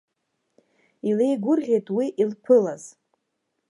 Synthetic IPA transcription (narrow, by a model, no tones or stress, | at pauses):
ile̞jɡʷʊrʁʲejtʰʼwiʔilpʷʰɨlaz̥